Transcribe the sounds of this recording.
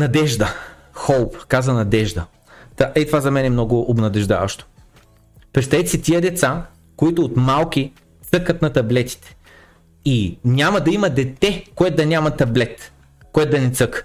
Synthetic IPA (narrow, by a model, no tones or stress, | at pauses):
nɐd̪ɛʒd̪ə | xɔlˠpkazvɐnɐd̪ɛʒd̪ə | t̪aʔɛt̪ovazɐmɛnɛmnɔɡʊʔobnɐd̪ɛʒd̪a̰vɐ̰ʃt̪o̥ | pɾitst̪ɐɛt̪sit̪ʲiəd̪ɛt̪sa | koit̪ʊːt̪malˠk̟i | t̪sɤkət̪nɐt̪ɐblɛt̪i̥t̪ɛ̥ | inʲamɐd̪ɐimɐd̪ɛt̪ɛkoɛt̪ʊd̪ɐnʲamɐt̪ɐblɛt̪ | koɛt̪̚d̪ɐnɛt̪sɤk